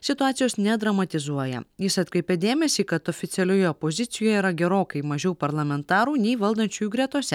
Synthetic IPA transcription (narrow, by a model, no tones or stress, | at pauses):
sʲɪt̪ʊɑːt̪sʲɪjoːsnʲɛd̪ɾɐmɐt̪ʲɪzuɔjɛ̰jɪsɐt̪kɾʲɛɪpʲɛd̪ʲeːmʲɛsʲiːkɐt̪oːfʲɪt̪sʲɛlʲoːjoːpozʲɪt̪sʲɪjoːjɛiːɾɐɡʲɛɾoːkɐɪmɐʒʲɛʊpɐɾlˠɐmʲɛnt̪ɑːɾuːnʲɛɪʋɐlˠd̪ɐnʲt͡ʃʲuːjuːɡɾʲɛt̪uɔsʲɛ